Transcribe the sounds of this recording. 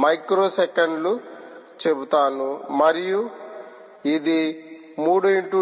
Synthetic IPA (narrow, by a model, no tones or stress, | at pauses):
mɐjkɾoːsekɐɳɖlu | t͡ʃebut̪aːnumɐɾiju | id̪i | muːɽuiɳʈu